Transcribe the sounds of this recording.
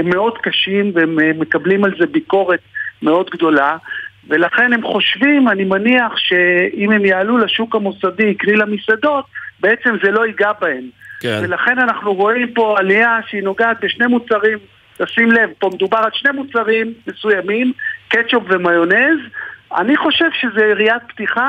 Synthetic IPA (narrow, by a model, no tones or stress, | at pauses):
emːe̞o̞d̪kaʃimveemmːe̞kablimalze̞biko̞ʁe̞t̪me̞o̞d̪ɡd̪o̞la | ve̞laχe̞nhe̞mχo̞ʃvimanimaniaχʃe̞ime̞mjaːlulaʃukamosadiːknilamisad̪o̞t̪̚be̞et͡se̞mze̞lo̞iɡabae̞mve̞laχe̞nanaχnuʁo̞impo̞aliaʃeino̞ɡaːt̪̚beʃne̞mut͡saʁim | tasimle̞vpo̞med̪ubaʁalʃne̞mut͡saʁimːe̞sujamimket͡ʃopve̞majo̞ne̞za̰niχo̞ʃe̞vʃe̞zeiʁiat̪̚pt̪iχa